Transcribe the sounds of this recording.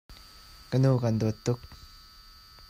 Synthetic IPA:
kənukand̪ot̪ːʊk̚

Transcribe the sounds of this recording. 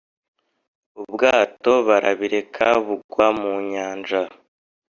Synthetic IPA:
ubɡaːto̞βaɾʔa̰βiɾe̞kʰaβuɡwamuɲaːnʒa

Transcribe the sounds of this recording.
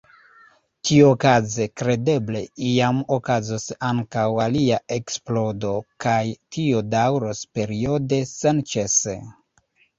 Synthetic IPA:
tʰiookaze̞kɾe̞de̞ble̞̰iamokazosaŋkawaliae̞ksplo̞do̞kajtʰiodawɾospe̞ɾio̞de̞sent͡ʃesḛ

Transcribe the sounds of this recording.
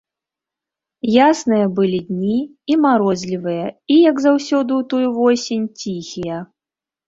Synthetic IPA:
jasnɨjɐbɨlʲid̪ʲnʲi | imaɾɔzʲlʲivɨjɐijɐɡzawsʲɔd̪ɨwt̪ɔjuvɔsʲenʲt͡sʲixʲijɐ

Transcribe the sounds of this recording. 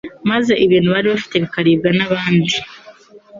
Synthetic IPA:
maze̞ʔiβiːnhuβaɾiβafi̥te̞βikaɾiːb̚ɡanaβaːndi

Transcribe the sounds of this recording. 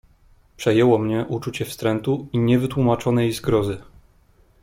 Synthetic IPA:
pʂɛjɛwɔmɲɛʔut͡ʂut͡ɕɛfst̪ɾɛnt̪uiɲɛvɘt̪wumat͡ʂɔnɛjezɡɾɔzɘ

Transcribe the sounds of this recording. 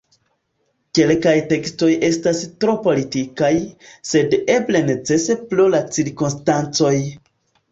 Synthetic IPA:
ke̞lkajte̞ksto̞je̞stastɾo̞po̞litikajse̞de̞ble̞ne̞t͡se̞se̞plulat͡siɾkunstant͡so̞j

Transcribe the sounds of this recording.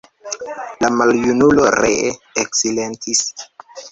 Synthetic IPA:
lamaljunuloɾeeksilentʰis

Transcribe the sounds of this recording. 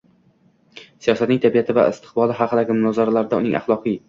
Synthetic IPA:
sijɒsat̪nɪŋt̪ʰabijat̪ʰɪva̰ɪ̰st̪ʰɨ̥qbɒlˠɪɦɑqɨd̪aɡʲɪmʊnɒzaɾalaɾɪd̪aʊnɪŋʔa̰χlˠɒqʰɨj

